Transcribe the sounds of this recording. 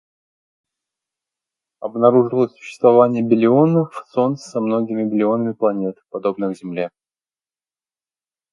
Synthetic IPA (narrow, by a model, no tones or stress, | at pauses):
ɐbnɐɾuʐɨlˠəsʲsʊ̥ɕːɪ̥st̪vɐvanʲɪjəbʲɪlʲɪo̞nəfso̞nt̪ssɐmno̞ɡʲɪmʲɪbʲɪlʲɪo̞nəmʲɪplˠɐnʲe̞t̪pɐd̪o̞bnəxzʲɪmlʲe